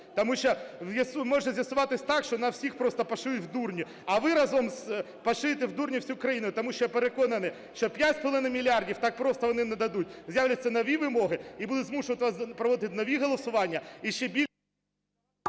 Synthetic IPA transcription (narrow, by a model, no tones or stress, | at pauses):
t̪ɐmuʃt͡ʃɔjɐsmɔʒnɐzʲjɐsʊʋɑt̪ɪsʲt̪ɑkʃt͡ʃɔnɐwsʲixpɾɔst̪ɔpɐʃujʊtʲwd̪urnʲi | ɐʋɪɾɑzɔmz | pɐʃɪt̪ɪwd̪urnʲiwsʲukɾɐjinʊjʊt̪ɔmuʃt͡ʃɔjpeɾekɔnɐnɪ | ʃt͡ʃɔpʲjatʲst̪ɔlˠɪnɐmʲilʲɑrdʲiwt̪ɑk̚pɾɔst̪ɔʋɔnɪnɛd̪ɐd̪ut̚ʲzʲjawlʲɐt͡sʲːɐnɔʋʲiʋɪmɔɦɪibud̪ʊtʲzmuʃʊʋɐt̪ɪʋɐzpɾɔʋɔd̪ɪɪt̪ʲnɔʋʲiɦɔlˠɔsʊʋɑnʲːɐiʃt͡ʃɛbʲi